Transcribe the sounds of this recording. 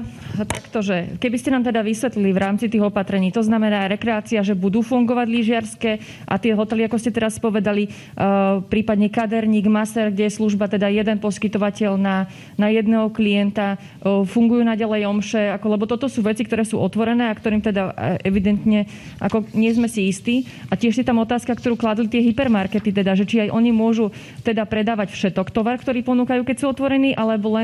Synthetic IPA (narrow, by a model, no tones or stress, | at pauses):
t̪akt̪ɔʒɛkɛbiscɛnaːmt̪ɛd̪aʋisʋɛt̪liliʋɾaːmt͡sit̪iːɣɔpat̪ɾɛɲiːt̪ɔznamɛnaːɾɛkɾɛaːt͡siaʒɛbud̪uːfuŋɡɔʋaɟliʒɪaɾskɛ | ʔa̰t̪ɪɛɦɔt̪ɛliakɔscɛt̪ɛɾaspɔʋɛd̪ali | pɾiːpad̪ɲɛkad̪ɛɾɲiːɡmasɛɾɡɟɛjɛsluʒbat̪ɛd̪ajɛd̪ɛnpɔskit̪ɔʋacɛʎna | najɛd̪nɛːɦɔkliɛnt̪a | fuŋɡujuːnaɟalɛjɔmʃɛakɔlɛbɔt̪ɔt̪ɔsuːʋɛt͡sik̚t̪ɔɾɛːsṵːʔɔt̪ʋɔɾɛnɛːakt̪ɔɾiːmt̪ɛd̪aʔɛʋid̪ɛnt̪ɲɛ | ʔa̰kɔɲɪɛzmɛsiist̪iː | ʔacɪɛʃsit̪amɔt̪aːskakt̪ɔɾuːklad̪lit̪ɪɛɦipɛɾmaɾkɛt̪it̪ɛd̪aʒɛt͡ʃiajʔɔɲimʊɔʒu | t̪ɛd̪apɾɛd̪aːʋacfʃɛt̪ɔkt̪ɔʋaɾkt̪ɔɾiːpɔnuːkajuːkɛcsuːɔt̪ʋɔɾɛniːʔalɛbɔlɛn